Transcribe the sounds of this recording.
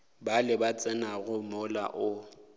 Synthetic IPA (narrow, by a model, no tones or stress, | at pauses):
balɪbat͡sʼɪnaɣʊmʊla̰ʔʊ